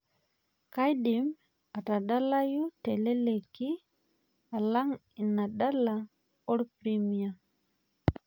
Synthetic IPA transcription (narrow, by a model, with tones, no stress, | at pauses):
ka˦jdi˨m | a˨ta˨da˦la˦ju˦te˨le˦le˨ki˦ | a˨la˦ŋ | i˨na˨da˦la˨ | ɔ˦ɾpɾi˦mi˨a˨